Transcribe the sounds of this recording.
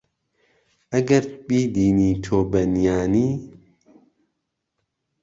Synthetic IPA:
ʔɐɡɐɾbiːd̪iːniːt̪ʰoːbɐnjaːniː

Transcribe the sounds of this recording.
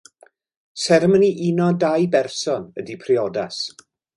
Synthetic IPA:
sɛɾəməniʔinɔdajbɛrsɔnədipʰriɔdas

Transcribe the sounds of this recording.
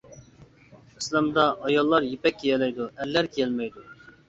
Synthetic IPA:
islɑmd̪ɑʔːjɑlˠːɑɾjepɛkʲːejɛlɛjd̪uɛlːæɾkʰʲɛlmɛjd̪u

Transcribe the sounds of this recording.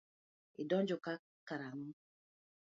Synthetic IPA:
idɔɲd͡ʒɔka | kaɾaŋ̩

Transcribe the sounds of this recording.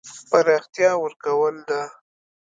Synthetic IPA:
paɾɑxt̪jɑwəɾkawəld̪a

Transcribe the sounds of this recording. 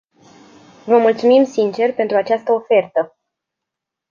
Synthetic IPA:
vəmult̪sumimsint͡ʃe̞rpe̞nt̪ɾuat͡ʃast̪əo̞fe̞rt̪ə

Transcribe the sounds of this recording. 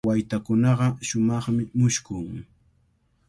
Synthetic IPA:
wajt̪akʊnɑɢɑʃʊmɑχmɪmʊʃkʊŋ

